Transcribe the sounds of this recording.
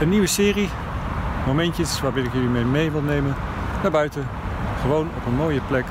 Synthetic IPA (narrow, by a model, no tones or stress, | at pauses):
əniʋəsɪːri | momɛntəsʋaːɹbɪnɪkjəlimemejʋɪlˠnejmən | naːɹbœɥtə | χəʋownɔpənmoːjəplɛk